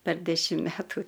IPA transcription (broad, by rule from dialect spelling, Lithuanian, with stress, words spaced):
pʲɛr ˈdʲæːʃʲɪm ˈmʲæːtuː